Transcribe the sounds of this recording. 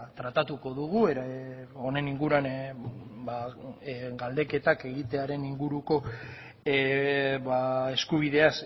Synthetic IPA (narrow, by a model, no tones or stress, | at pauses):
t̪ɾat̪at̪uko̞ðuɣ̞ueɾo̞ne̞niŋɡuɾuan | ba | ɡald̪e̞ke̞t̪ake̞ɣit̪e̞aɾe̞niŋɡuɾuko̞ | βae̞skuβ̞iðe̞as